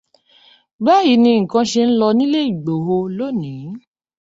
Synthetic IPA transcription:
ba˦ji˨˦nĩ˧ŋ̩˨kã˧ʃe˧n̩˦lɔ˧nĩ˦le˦i˨ɡ͡bo˨ɦo˧lo˦˨nĩ˨˦

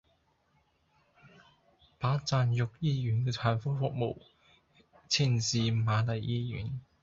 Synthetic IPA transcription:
paː˨˥t͡saː˨˧njʊ˨k̚jiː˧jyː˨˩nkɛː˧tʰaː˨˩nfɔː˥fʊ˨k̚mo̰˨w | t͡sʰiː˧˩nsiː˨maː˨˧lɐ˨jʔiː˧jy̰ː˨˥n

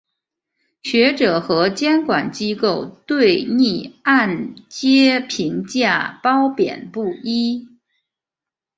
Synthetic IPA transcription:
ɕɥɛ˧˥ʈ͡ʂɤ˨˩xɤ˧˥t͡ɕjɛ˥nkwa˨˩nt͡ɕi˥ko˥˩ʊt̪we˥˩ɪni˥˧a˥˩nt͡ɕjɛ˥pʰi˧˥ŋt͡ɕja˥˩pɑ˥ʊpjɛ̰˨˩npu˥˩i˥

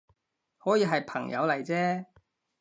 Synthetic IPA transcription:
hɔː˨˥jiː˧ɦɐ˨jpʰɐ˨˩ŋjɐ̰˨˧wlɐ˨˩jt͡sɛː˥

